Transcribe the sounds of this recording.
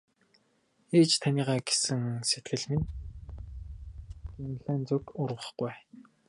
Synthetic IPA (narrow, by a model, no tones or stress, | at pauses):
eːt͡ɕt̪ʰaniːʁaːɡe̥sɘ̆ŋset̪ɡɘ̆ɮmen | ɡ̥imɮæːnt͡sukʊrʁə̆χɡ̥uj